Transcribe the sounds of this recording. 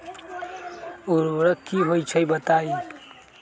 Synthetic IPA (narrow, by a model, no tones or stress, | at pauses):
uɾɾəkiɦojt͡ʃʰəjbət̪ai